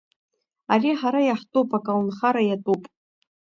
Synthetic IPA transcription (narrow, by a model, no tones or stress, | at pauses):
ariħaɾajaħtʼupʼakʼalnχaɾajatʼupʼ